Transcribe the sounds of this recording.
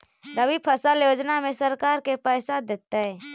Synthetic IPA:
ɡəbipʰəsaljoːd͡ʒnamẽsəɾkaːɾkepɛːsad̪eːt̪aɦɛː

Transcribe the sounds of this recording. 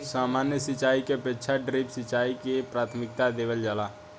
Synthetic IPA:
saːmanjəsit͡ʃaːikepetːt͡ʃʰaɖɾipsit͡ʃaikepɾaːt̪ʰmɪkt̪ad̪ebəld͡ʒaːla

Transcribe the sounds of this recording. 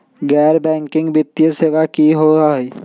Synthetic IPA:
ɡɛːɾbɛ̃ːŋkɪ̃ŋɡbɪt̪ːjəseːʋakiɦoːaɦɛ

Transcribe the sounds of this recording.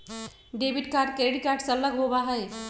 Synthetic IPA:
ɖeːbiʈkaːɾɖ̚keɽikaːɾʈsəlːəɡɦobaɦɛj

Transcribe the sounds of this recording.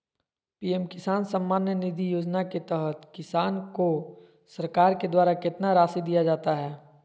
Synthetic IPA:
piːɛmkɪsaːnsə̃mːaːnjənɪd̪ʱijoːd͡ʒnaket̪ɛɦət̪kɪsaːnko | sɐɾkaːɾked̪waːɾakɪt̪naɾaːsid̪ijad͡ʒaːt̪aɦɛː

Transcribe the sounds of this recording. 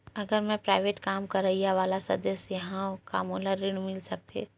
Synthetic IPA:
ɐɡəɾmɛ̃pɾaːɪʋeːʈkaːmkəɾəɦijaʋaːlasɐ̰̃d̪əsjɐɦãoka̰ːmolaɾɪɽ̃mɪlsək̚t̪ʰḛ

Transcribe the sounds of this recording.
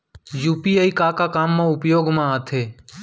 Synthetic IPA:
juːpiaːikakakaːmːãʊpjoːɡmãaːt̪ʰeː

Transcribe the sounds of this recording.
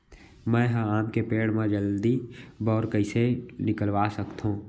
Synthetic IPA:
mɛ̃ːɦãaːmkepeːɽmãd͡ʒəld̪ibɔːɾkəisenɪkəlwaːsəkt̪ɦũː

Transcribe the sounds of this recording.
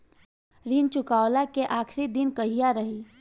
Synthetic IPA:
ɾint͡ʃʊkawlakeʔakʰɾid̪inkəɦijaɾəɦi

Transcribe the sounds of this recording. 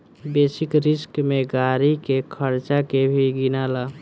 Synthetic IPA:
beːsɪkɾɪskmẽɡaːɾikekʰəɾt͡ʃakebʱiɡɪnaːlaː

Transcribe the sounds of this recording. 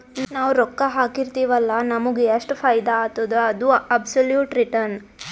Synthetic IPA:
naːʋɾɔkːɐɦaːkiɾt̪iːʋɐlːɐnɐmuɡeɐsʈpʰɐjd̪aːt̪ːɐd̪uɐd̪uɐbsoljuːʈɾiʈɐɾn

